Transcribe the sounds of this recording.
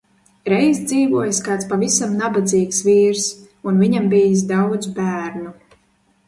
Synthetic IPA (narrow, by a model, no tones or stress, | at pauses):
ɾɛjzd̪ziːvuɔjaskaːt̪spavisamnabad̪ziːksviːɾs | unviɲambiːjis̬d̪awd̪zbæːɾnu